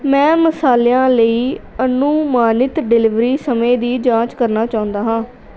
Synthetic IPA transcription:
mɛ̃ːməsaːlejãːləiːənũːmaːnɪt̪ɖɪlɪʋɾiːsəmẽːd̪iːd͡ʒãːt͡ʃkəɾnaːt͡ʃaːʊ̃nd̪aːɦãː

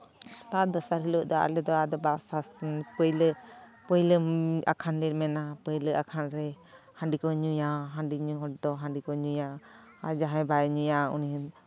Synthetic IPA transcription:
t̪ad̪ɔsaɾɦilɔʔd̪ɔa̰lɛd̪ɔad̪ɔbasast̪npəjlə | pəjləa̰kʰanliɾmɛnapəjləʔakʰanɾɛ | hãɳɖikɔɲujaɦãɳɖiɲuɦɔʈ̚d̪ɔɦãɳɖikɔɲuja | ad͡ʒaɦɛ̃bajɛɲujaunin

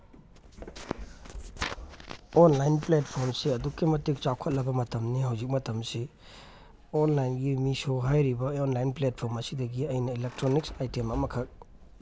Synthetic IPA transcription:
onlajnplet̚pʰoɾmsiɐdukːimɐtik̚t͡ʃawkʰɐt̚lɐbɐmɐtɐmniɦawzik̚mɐtɐmsi | onlajnɡimisoɦajɾibɐonlajnplet̚pʰoɾmɐsidɐɡiɐjnɐilek̚tɾonik̚sajtemɐmɐkʰɐk̚

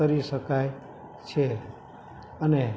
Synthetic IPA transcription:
əɾiʃəkaj | t͡ʃʰe | əne

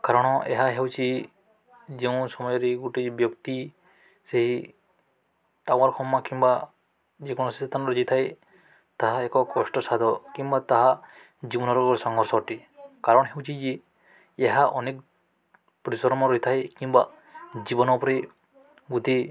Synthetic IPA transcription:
kaɾɔɽ̃ɔʔɛɦaɦewt͡ʃʰi | zeũsɔmɔjɔɾiɡuʈibjɔkt̪i | seɦi | ʈawaɾxʰɔmːakimba | zikʰɔñɔsit̪ʰanɾɔd͡ʒit̪ʰaj | t̪aɦaɛkɔkɔsʈɔsad̪ɔkimbat̪aɦa | d͡ʒibɔnɔɾɔkɔɾsɔŋɡɔɾsɔʈikaɾɔnɔɦewt͡ʃʰizi | eɦaʔɔnek̚ | pɾisɔɾɔmɔɾɔit̪ʰajkimba | d͡ʒibɔnɔpɔɾi | ɡut̪i

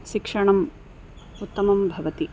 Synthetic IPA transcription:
ʃikʂɐɳɐm | ut̪ːɐmɐmbʱɐʋɐt̪i

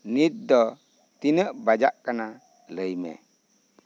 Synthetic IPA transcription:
nido | tinəbad͡ʒakːəna | ləjmḛ

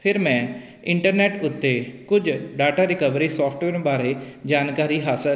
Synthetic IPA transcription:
pʰɪɾmɛ̃ː | ɪ̃ɳʈəɾnɛːʈʊt̪ːeːkʊd͡ʒɖaːʈaːɾɪkəʋɾiːsɔːpʰʈweːɾbaːɾeːd͡ʒaːnkaːɾiːɦaːsə

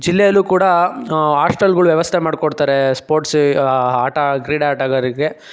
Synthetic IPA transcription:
d͡ʒilːɛjɐlːuːkuːɽɐaːsʈɐlɡɐɭuʋjɛʋɐst̪ʰemaːɖkoɽt̪aːɾespoːɾʈsaːʈaɡɾiːɽaːʈaɡaɾiɡe

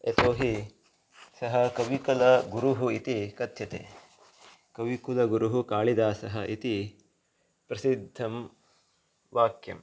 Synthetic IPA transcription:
et̪oːɦi | sɐɦɐkɐʋikɐlɐɡuɾuɦuit̪ikɐt̪jɐt̪ḛː | kɐʋikulɐɡuɾuɦukaːɭid̪aːsɐɦɐʔit̪i | pɾɐsid̪ʱːɐm | ʋaːkjɐ̰m

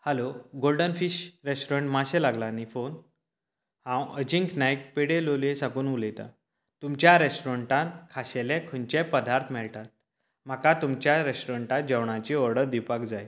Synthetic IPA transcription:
həloɡolɖənfiɕɾesʈoɾeɳʈmaɕelaɡlanifon | hãwəd͡ʑiŋknajk̚peɽelolẽsakuːnulet̪a̰ | t̪umt͡ɕjaɾesʈoɾəɳʈãkʰaɕelɛ̃kʰəɲt͡ɕepəd̪aɾt̪ʰmɛɭʈat̪̚ | m̤akat̪umt͡ɕjaɾesʈoɾeɳʈat̪̚d͡ʑəwɳat͡ɕiɔɾɽəɾd̪ipakd͡zaj

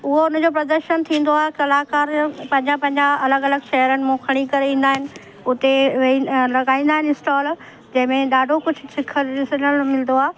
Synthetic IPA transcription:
ʊɦoʊn̤ə̃d͡ʑopɾɐd̪əɾʃənt̪ʰĩːn̆d̪oaːɦekɐlaːkaːɾpɐ̃ɦɪ̃ɲd͡ʑapɐ̃ɦɪ̃ɲd͡ʑaɐləɡɐləɡʃɐɦɾənɪ̆mũːkʰɐɽ̃ikɐɾeʋĩːnd̪aːɦɪnɪ̆ | ʊt̪eʋĩlɐɡaːĩːnd̪aːɦɪnɪsʈaːl | d͡ʑɐ̃ɦɪ̃mẽɗaːɖʱokʊd͡ʑʱʊ̆sɪkʰəɾɗɪsənəlmɪld̪oaː

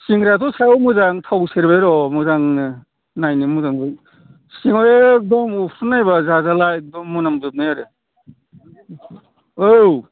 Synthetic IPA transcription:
siŋɾatʰusajɔmuzaŋtʰawseɾbeɾɔmuzaŋ | najnimuzaŋɯ | siŋɔjeːk̚dɔmupʰɾunajbazazalaek̚dɔmːunamzɯp̚neaɾɯ | ow

